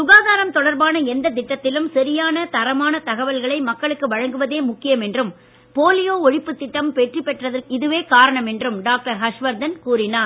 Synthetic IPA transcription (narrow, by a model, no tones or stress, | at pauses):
sʊɣaːðaːɾɐmt̪ɔɽɐɾbaːnɐɛnd̪ɐt̪ɪʈːɐt̪ːɪlɯmsɐɾɪjaːnɐt̪ɐɾɐmaːnɐt̪ɐɣɐʋɐlɣɐɭɐɪmɐkːɐɭɯkːɯʋɐɻɐŋɡɯʋɐðeːmʊkːɪjɐmɛndrɯm | poːlɪjoːɔɻɪpːɯt̪ːɪʈːɐmpɛʈripɛʈrɐðɐrɪðɯʋeːkaːɾɐɳɐmɛndrɯmɖaːk̚ʈɐɾɦɐʂʋɐɾd̪ɐnkuːrɪnaːɾ